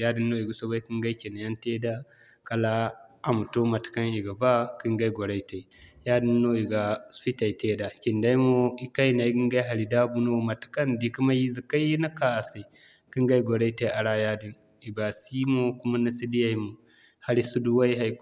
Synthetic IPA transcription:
ja˦di˦nːo˦i˨ɡa˨so˦ba˦ki˦ŋɡa˦i˦ki˨na˨ja˦nte˦da˦ | ka˨la˦a˨mu˨to˦ma˨ti̥˨ka˦ni˨ɡa˨ba˦ki˦ŋɡa˦i˦ɡo˨ɾa˦i˦ta˨i˨ja˦di˦nːo˦i˨ɡa˨˦spi˦ta˨i˨te˦da˨kʲi˨nda˦i˦mo˦i˦ka˦jna˨i˦ɡi˦ŋɡa˦ɦa˨ɾi˨da˦bu˦no˦ma˨ti̥˨ka˦ndi˨ki˦ma˦ji˦zi˨ka˦ji˦na˦ka˨a˨se˨ | ki˦ŋɡa˦i˦ɡo˨ɾa˦te˦a˨ɾa˦ja˦di˨n | i˨ba˨si˦mo˦ku˦ma˦na˦si˦di˦ja˦mo˨ | ha˦ɾi˦su˦du˦wa˦i˦ɦa˦

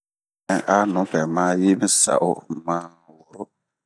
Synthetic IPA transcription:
ɛ˨ʔa˦nʊ̃˨˦pɛ˨mãː˦ji˦mi˦sa̰˨ʔʊ̰˦mãː˦ | wʊ˨ɾʊ˦

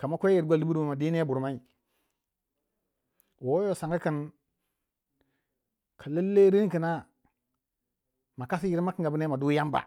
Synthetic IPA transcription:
ka˨ma˦kʷe˦ji˨ɾɡʷa˦li˦bu˦ɾu˦mu˨ma˨di˦ne˦bu˨ɾma˦i˨ | wo˨˦jo˦sa˨ŋɡa˦ki˨n | kʰa˨le˦lːe˦ɾi˦nki˨na˦ | ma˨ka˦si˦ji˨˦ɾma˦ki˨˦ɡa˨bi˦ne˦ma˨du˦ja˦mba̰˨

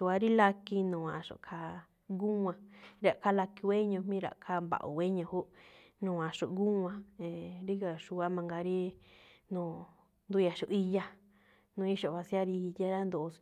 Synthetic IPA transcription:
u˧a˧ɾi˦la˧ki˧nũ˨ã˨ʂṵ˨kʰa˧ | ɡu˦˧ã˧ɾa˨ʔka˦la˧ki˧we˦ɲũ˧mĩ˦ɾa̰˨kʰa˦mba̰˨ʔṵ˨we˦ɲũ˧˨hu˦nũ˨ã˨ʂṵ˨ɡu˦˧ã˧˦e˨ɾi˦ɣa˨ʃu˧a˦mã˧ŋɡa˧ɾi˦nũː˧˨ | nd̪u˦˧ja˨ʃu˧ʔi˧ja˦ | nũ˧i˦ʃo˨βã˧si˦a˦ɾi˧ja˦ɾa˦nd̪u˨˧

